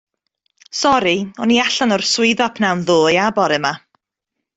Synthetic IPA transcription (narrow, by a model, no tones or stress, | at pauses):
sɔɾiɔniaɬanɔrsʊɨðɔpʰnawnðoːjabɔɾɨma